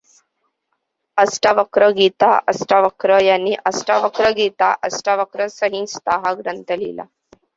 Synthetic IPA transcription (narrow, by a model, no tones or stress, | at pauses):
əsʈaʋəkɾəɡit̪aʔəsʈaʋəkɾəjanːiːʔəsʈaʋəkɾəɡit̪aʔəsʈaʋəkɾəsəɦĩst̪aɦaɡɾənt̪əlḭla̰